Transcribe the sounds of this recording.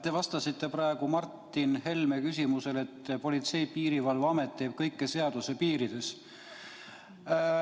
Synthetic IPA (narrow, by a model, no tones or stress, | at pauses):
t̪e̞vɑst̪ɑsit̪ːe̞pɾɑe̞ɡ̥umɑrt̪ːˑinɦe̞lme̞kys̬ʲimuse̞le̞t̪ːˑpo̞lʲit̪se̞jpiːɾivɑlvɑme̞t̪ːe̞ːb̥̚kɤjkːe̞se̞ɑd̪̥use̞piːɾid̪̥e̞s